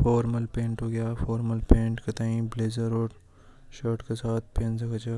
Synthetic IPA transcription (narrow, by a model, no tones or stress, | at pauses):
fɔːɾməlpẽːɳʈɦoːɡɐjaːfɔːɾməlpẽːɳʈket̪ãːĩbleːzəɾoːʈ | ʃəːʈkesaːt̪̚ʰpẽːnzɐkɐd͡ʒa